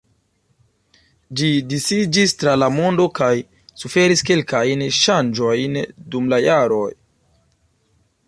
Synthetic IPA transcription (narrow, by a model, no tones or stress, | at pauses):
d͡ʒidisid͡ʒistɾalamo̞ndo̞kaj | sufe̞ɾiske̞lkajnʃand͡ʒo̞jndumlajaɾo̞j